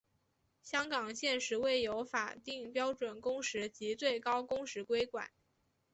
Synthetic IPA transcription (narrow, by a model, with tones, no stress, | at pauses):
ɕjɑ˥ŋkɑ˨˩ŋɕjɛ˥˩nʂɻ̩˧˥we˥˩ɪjo˧˥ʊfa̰˨˩t̪i˥˩ŋpjɑ˥ʊʈ͡ʂwə˨˩nkʊ˥ŋʂɻ̩˧˥t͡ɕi˧˥t͡swe˥˩ɪkɑ˥ʊkʊ˥ŋʂɻ̩˧˥kwe˥ɪkwa̰˨˩˦n